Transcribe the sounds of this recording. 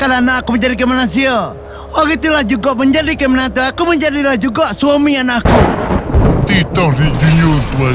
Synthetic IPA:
kalanaːkuməɲd͡ʒadik̬emanasia | ɔɡit̪ulahd͡ʒuɡaʔməɲd͡ʒadikemanat̪uakuməɲd͡ʒadilahd͡ʒuɡaʔsuamianaku | t̪it̪ɔdid͡ʒuɲut̪ua

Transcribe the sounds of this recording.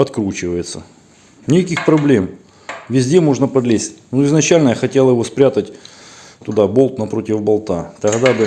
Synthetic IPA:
ɐt̪kɾut͡ɕɪvəjɪt̪sə̰ | nʲɪkɐkʲixpɾɐblʲe̞m | vʲɪzʲdʲemo̞ʐnəpɐd̪lʲesʲtʲnuɪznɐt͡ɕælʲnəjaxɐtʲelˠjɪvo̞spɾʲat̪ətʲ | t̪ʊd̪abo̞lˠt̪nɐpɾo̞tʲɪvbɐlˠt̪at̪ɐɣd̪abɨ

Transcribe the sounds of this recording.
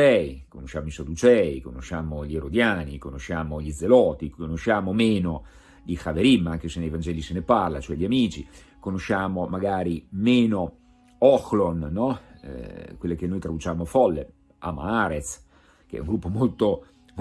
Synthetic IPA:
ɛikonoʃːaːmoisad̪ut͡ʃɛːikonoʃːaːmoʎieɾod̪jaːnikonoʃːaːmoʎid̪zelɔːt̪ikonoʃːaːmomeːno | d̪ixaveɾimːaŋk̟esenːejvand͡ʒɛːliseneparlat͡ʃoɛʎːiamiːt͡ʃi | konoʃːaːmomaɡaːɾimeːno | ɔxlonːɔ | kwelːek̟enːojt̪ɾad̪ut͡ʃaːmofɔlːḛ | a̰ma̰aɾet̪s | k̟eɛ̰uŋɡɾupːomolt̪o | m

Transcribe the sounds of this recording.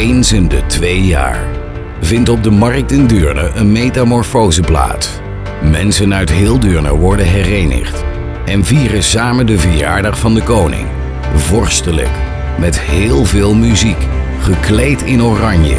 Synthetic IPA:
ejnzəndətʋejja̰ːɹ | vɪntɔb̚dəmɑrk̚tɪndøːɹnə̰ʔənmejtamɔɹfowzəpla̰ːts | mɛnsənœɥtɦɪːlˠdøːɹnə̰ʋɔɹdənɦɛrejnə̰χt | ɛnviːrəsaːməndəvəja̰ːɹdɑχfɑndəkownɪ̰ŋ | vɔɹstələ̰k | mɛtɦɪːlˠvɪːlˠmyzik | χəklejtɪnorɑɲjə̰

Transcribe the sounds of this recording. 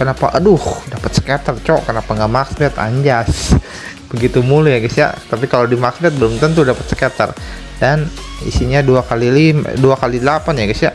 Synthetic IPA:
kənapa̰ʔədʊhdapət̪sə̥kɛt̪ərt͡ʃɔkənapaŋɡaʔmaksbɛt̪a̰ɲd͡ʒas | bəɡit̪umulujaɡisja̰t̪apikalodimaksbɛt̪̚bəlʊmt̪ənt̪̬udapət̪sə̥kɛt̪ə̰r | dan | ḭsiɲaduakalilim̰duakalidəlapanjaɡisjaʔ

